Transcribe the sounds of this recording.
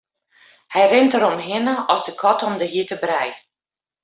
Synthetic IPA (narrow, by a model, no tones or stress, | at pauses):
hɛjrɪntəɾɔmɦɪnəɔsdəkʰɔtɔmdəɦiətəbrɛj